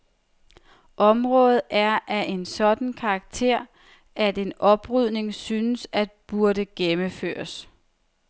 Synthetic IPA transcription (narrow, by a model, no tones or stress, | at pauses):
ʔɒ̽mʁɔ̽ːðð̩ˠæɐʔæʔe̝nsɒ̽d̥n̩kʰɑ̈ːɡ̥̚t͡sʰe̝ɐ̰ | ʔæd̥e̝nɒ̽b̥ʁyð̰ˠne̝ŋsyːnəsæd̥b̥uɐɾəɡ̥eməfø̰ːɐs